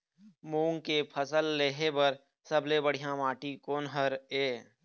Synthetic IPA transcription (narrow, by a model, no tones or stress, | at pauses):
muːŋkepʰəsəlːeːɦebəɾ | səblebəɽ̤ijãmaːʈikoːnɦəɾeː